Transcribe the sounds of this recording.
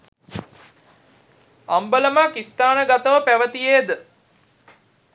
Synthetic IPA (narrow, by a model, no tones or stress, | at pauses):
ambələmaːkist̪aːnəɡat̪əʋəpæʋət̪ijeːd̪ə